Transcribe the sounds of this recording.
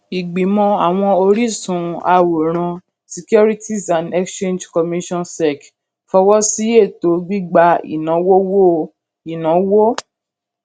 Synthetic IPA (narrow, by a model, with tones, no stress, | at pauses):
i˨ɡ͡bi˨˦mɔ̃˧a˨w̃ɔ̃˧o˧ɾi˦sũ˨˦a̰˧wo˨ɾ̃ã˧ | si˧˨ku˦ɾi˦tʰi˦sa˨nɛ˦kst͡ʃẽ˦nd͡ʒkɔ˨mĩ˦ʃɔ̃˦nsɛ˨k | fɔ˧wɔ˦si˦e˦˨to˨˦ɡ͡bi˦ɡ͡ba˧ḭ˨nã˨˦wo˦wo˦ | i˨nã˨˦wo˦